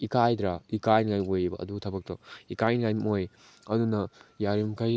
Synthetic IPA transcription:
ikajdɾaikajnŋajmojbɐ̰ɐ̰duɡtʰɐbɐk̚tɐikajnŋajmoj | ɐdunɐjaɾimkʰaj

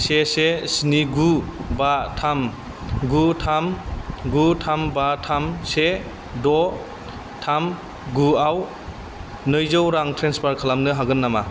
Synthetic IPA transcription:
sesesniɡubatʰam | ɡutʰamɡutʰambatʰamse | dɔ | tʰam | ɡuaw | nɯjzɯwɾaŋtʰɾenspaɾkʰalamnɯɦaɡɯnːama

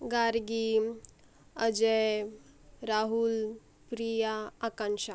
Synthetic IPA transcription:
ɡaɾɡi | əd͡ʒe | ɾaɦul | pɾijaːkanʃa

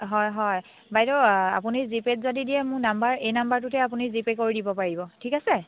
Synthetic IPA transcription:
ɦɔjɦɔj | bajdɔa̰punizipetzodidiɛmʊ̃ɹnambaɹejnambaɹtutɛap̬unizipekoɹidibɔpaɹibɔtʰikasɛ

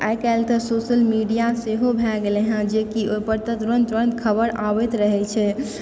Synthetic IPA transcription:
ʔajkaɪlt̪əsosəlmiɖijaseɦobʱɛlɡeleɦə̃d͡ʒekiopəɾt̪ət̪ɾənt̪ɾənd̪kʰəbəɾʔabɛt̪ɾəɦɛt͡ʃʰɛ

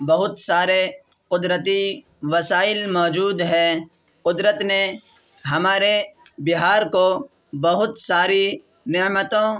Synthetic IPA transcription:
bɐɦʊt̪saːɾe | qʊd̪ɾət̪̬i | ʋɐsaːɪlmɔːd͡ʒuːd̪ɦɛː | qʊd̪ɾət̪ne | ɦɐmaːɾe | bɪɦaːɾko | bɐɦʊt̪saːɾi | nɪmət̪õ

